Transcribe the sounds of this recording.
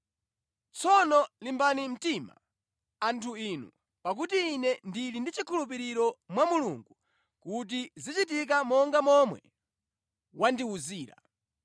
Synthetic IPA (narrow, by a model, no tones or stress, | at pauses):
t͡sʰɔnɔlimbanim̩tima̰ | antʰuiːnṵ | pak̬utiːnɛndilindit͡ʃikʰulup̬iɾiɾɔmwamuluŋɡu | kut̬izit͡ʃit̬ik̬amɔŋɡamɔmwɛ̰ | wandiuziːɾa̰